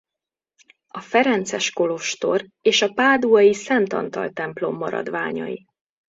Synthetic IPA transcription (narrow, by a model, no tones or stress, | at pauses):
ɒfɛɾɛnt̪sɛʃko̞lo̞ʃt̪o̞reːʃɒpaːd̪uɒjisɛnt̪ɒ̰nt̪ɒlt̪ɛmplo̞mːɒɾɒ̰d̪ʋaːɲɒ̰ji